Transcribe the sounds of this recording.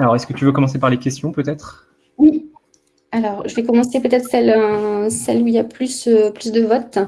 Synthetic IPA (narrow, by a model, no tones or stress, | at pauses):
alɔʁɛskət̪yvøkɔmɑ̃sepaʁlekʲɛst̪jɔ̃pøt̪ɛt̪χ | wi | alɔʁʒəvɛkɔmɑ̃sepøt̪ɛt̪χsɛlsɛluilaplysøplysd̪əvɔt̪